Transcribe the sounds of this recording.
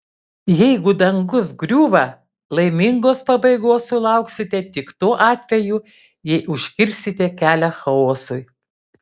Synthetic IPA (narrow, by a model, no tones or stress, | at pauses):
jɛɪɡʊd̪ɐŋɡʊs̬ɡɾʲuːʋɐ | lˠɐɪmʲɪŋɡoːspɐbɐɪɡoːsulˠɐˑʊksʲɪt̪ʲɛt̪ʲɪkt̪oːʔɑːt̪ʲʋʲɛjuː | jɛɪʊʃʲkʲɪɾʲsʲɪt̪ʲɛkʲæːlʲɛxɐoːsʊj